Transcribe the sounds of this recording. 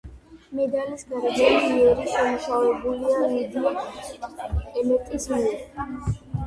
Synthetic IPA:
mɛd̪alisɡaɾɛbɛlimiɛɾisamuʃavɛbuliamid̪i | ɛmɛt̪ʼismiɛɾi

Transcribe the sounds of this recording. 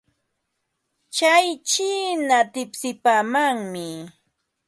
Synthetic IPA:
t͡ʃajt͡ʃiːnat̪ɪpsɪpaːmaŋmɪ

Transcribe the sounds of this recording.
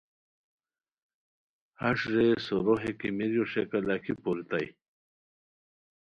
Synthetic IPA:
aʂɾesoɾoɦekimiɾjoʂekalakʰipolit̪aj

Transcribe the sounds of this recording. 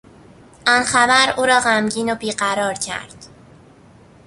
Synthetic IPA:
ʔɒnxæbæɾuːɾɒːɣæmɟiːnobiːɢæɾɒːɾcʰæ̰ɾd̪̥

